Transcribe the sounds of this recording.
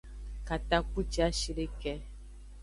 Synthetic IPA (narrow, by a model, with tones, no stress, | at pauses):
ka˨t̪a˦k͡pu˦t͡ʃi˦a˦ʃi˦ɖe˦kɛ˦